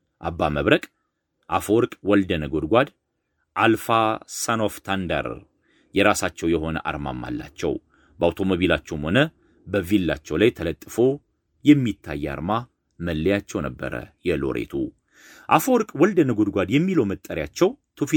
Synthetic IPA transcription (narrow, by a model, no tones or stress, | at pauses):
ʔabːaməβɾəkʼ | ʔafoɾkʼwɔld̪ənəɡod̪ɡʷad̪ | ʔalfasanoft̪ʰand̪ə̰ɾ | jɛɾasat͡ʃːɛwjɛho̞nə̰ʔa̰ɾma̰mːa̰lːa̰t͡ʃːɛ̰w | bəawt̪ʰo̞moβilat͡ʃːɛwmho̞nə | bəvilːa̰t͡ʃːɛwlajt̪ʰələt̪ʼːfo̞ | jɛmːit̪ʰːa̰jːɛa̰ɾma | məlːəjat͡ʃːɛwnəbːə̰ɾə̰jɛlo̞̰ɾʔḛt̪ʰu | ʔafoɾkʼwɔld̪ənəɡod̪ɡʷad̪jɛmːiləwmət̪ʼːəɾjat͡ʃːɛwt̪ʰuf